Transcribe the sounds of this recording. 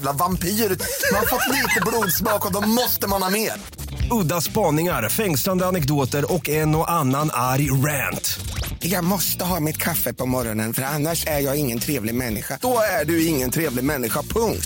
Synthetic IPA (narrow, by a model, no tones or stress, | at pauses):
lavampʰiːɾʉt̪manfɔt̪ːliːt̪əbluːd̪smɑːkɔd̪ɔmɔst̪əmanhɑːmeːɾ | ɵd̪ːaspɑːnɪŋaɾfɛŋsland̪əanɛkd̪oːt̪əɾɔkɛnɔʔanːanaɾjɾænt̪ɪjamɔst̪əɦɑːmɪt̪kʰafːəpʰɔmɔɾɔnənfœɾanːaʂæɾjɑːɡɪŋːənt̪ʰɾeːvlɪɡmɛnːɪɧad̥̪ɔæɖɵɪŋːənt̪ʰɾeːvlɪɡmɛnːɪɧapʰɵŋkt̪